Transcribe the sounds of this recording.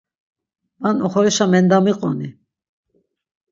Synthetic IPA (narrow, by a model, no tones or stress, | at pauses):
anɔχɔɾɛʃamɛnd̪amiqʼɔni